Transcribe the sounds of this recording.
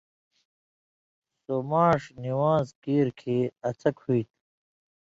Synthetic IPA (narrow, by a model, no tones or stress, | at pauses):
somaːʂniwaːzkiːɾkʰeːɐt͡sʰɐkhuit̪̚ʰ